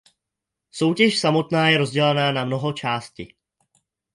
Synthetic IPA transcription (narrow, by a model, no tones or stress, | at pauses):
so̞wcɛʃsamo̞t̪naːjɛɾo̞zɟɛlanaːnamno̞ɦo̞t͡ʃaːscɪ̰